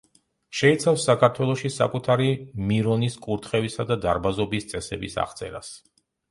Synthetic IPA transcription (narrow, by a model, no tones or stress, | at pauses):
ʃɛit̪sʰafsːakʰaɾt̪ʰwɛlˠɔʃisa̰kʼut̪ʰaɾimiɾɔniskʼuɾt̪ʰχɛvisad̪ad̪aɾbazɔbist̪sʼɛsɛ̰bisa̰χt̪sʼɛ̰ɾa̰s